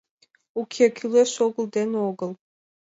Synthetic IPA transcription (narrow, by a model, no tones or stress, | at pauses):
ukʲʰekʲʰyleʃoɡəld̪enoɡəlˠ